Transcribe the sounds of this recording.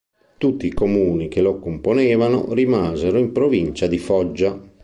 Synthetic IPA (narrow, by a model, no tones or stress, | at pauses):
t̪ut̪ːiːkomuːnik̟elokomponɛːvano̰rimaːzeɾoimpɾovint͡ʃad̪ifɔd͡ʒːa